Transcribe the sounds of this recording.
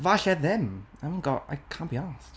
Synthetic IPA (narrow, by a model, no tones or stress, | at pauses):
vaɬɛðɛmamɪ̃nɡɔa̰jkʰãːnb̥iɔst